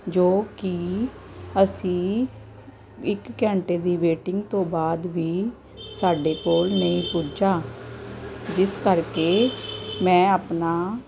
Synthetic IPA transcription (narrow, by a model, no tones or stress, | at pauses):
d͡ʒoːkɪ | əsĩː | ɪkːɛ̃ːɳʈeːd̪iːʋeːʈɪŋɡt̪õːbaːd̪ʋiː | saːɖeːkoːlnəĩːpuːd͡ʒaː | d͡ʒɪskəɾkeːmɛ̃ːaːpnaː